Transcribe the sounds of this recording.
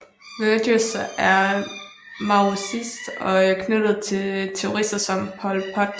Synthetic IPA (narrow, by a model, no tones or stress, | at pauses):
ʋød̥əsʔæɐ | mɑosisd̥ɒ̽ækʰnød̥ð̩ˠt͡sʰe̝lt͡sʰe̝ʊʁisd̥ɐsɒ̽mpʰɒlpʰɒ̽d̥